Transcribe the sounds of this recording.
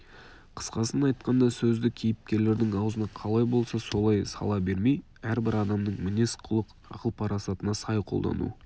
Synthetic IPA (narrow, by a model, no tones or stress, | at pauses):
qʰə̥sqɑsənɑjt̪̚qɑnd̪ɑsɵzd̪ɪkʲʰejɪp̚kʲe̞ɾle̞ɾd̪ɪŋɑwzənɑqʰɑlˠɑjbo̞lˠsɑso̞lˠɑjsɑ̰lˠɑbe̞ɾme̞j | æɾbɪɾɑd̪ɑmd̪əɴmɪne̞sqʰʊlˠəq | ɑ̰qəlˠpʰɑɾɑsɑt̪ənɑsɑjqʰo̞lˠd̪ɑ̰nṵ